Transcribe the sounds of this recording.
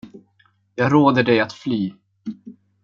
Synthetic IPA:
jɑːɡɾoːd̪əɖɛjat̪flyː

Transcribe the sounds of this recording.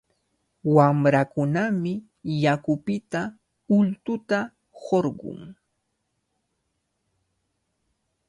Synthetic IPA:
wamɾakʊnamɪ | jakʊpɪt̪a | ʊlt̪ʊt̪a | hoɾɢʊ̰ŋ

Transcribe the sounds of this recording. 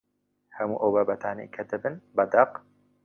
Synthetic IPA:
hɐmṵːʔoːbɐbɐt̪ʰaːnḛkʰɐd̪ɨbɨnbɐd̪ɐq

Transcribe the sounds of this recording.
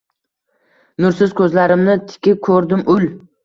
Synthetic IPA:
nʊɾsɪzkʲʰɵzlaɾɪmnɪt̪ʰɪ̥kʲɪp̚kʰɵɾd̪ɪmʊl

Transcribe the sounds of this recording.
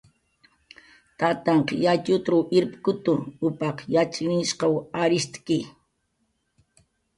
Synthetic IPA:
t̪at̪ɑɴqjat͡ʃʊt̪ɾʊwɪɾpkʊt̪ʊʊpɑqjat͡ʃɪnɪʃqɑwaɾɪst̪kɪ

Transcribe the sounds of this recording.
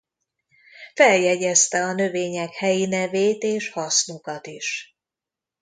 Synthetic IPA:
fɛljɛɟɛst̪ɛɒnø̞veːɲɛkhɛjinɛveːt̪eːʃhɒsnukɒt̪iʃ

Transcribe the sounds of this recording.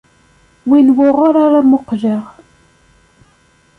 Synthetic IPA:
winwʊʁʊɾaɾamʊqʒəʁ

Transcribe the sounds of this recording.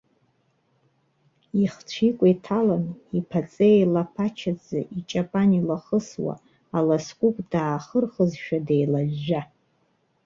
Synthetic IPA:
iχt͡ʃʷʰikʷʼaitʰalanipʰat͡sʼejlapʰat͡ʃʰad͡zɨ̰ʔit͡ʃʼapʼanilaχəswa̰ | alaskʷʼukʼd̥aːχərχəzʃᶣadejlaʒːa

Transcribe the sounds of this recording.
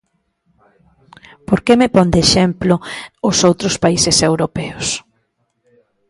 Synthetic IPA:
poɾkemepɔnd̪eʃɛmplʊʊsowt̪ɾʊspaisɪsewɾopɛʊs

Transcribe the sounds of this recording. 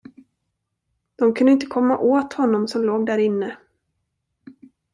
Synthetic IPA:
d̪̥ɔmkʰɵnd̪əɪnt̪əkʰɔmːaʔoːt̪hɔnːɔmsɔmloːɡd̪æːɾɪnːə

